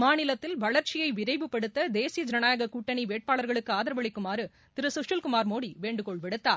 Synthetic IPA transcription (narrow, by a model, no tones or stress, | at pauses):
maːnɪlɐt̪ːɪlʋɐɭɐɾt͡ʃɪjɐɪʋɪɾɐɪʋɯpːɐɽɯt̪ːɐd̪eːsijɐd͡ʒɾɐnaːjɐɣɐkuːʈːɐɳiʋeːʈ̚paːɭɐɾɣɐɭɯkːɯaːðɐɾɐʋɐɭɪkːɯmaːɾɯ | t̪ɪɾɯsɯʂɯlkʊmaːɾmoːɽiʋeːɳɖɯkɔɭʋɛɽɯt̪ːaːɾ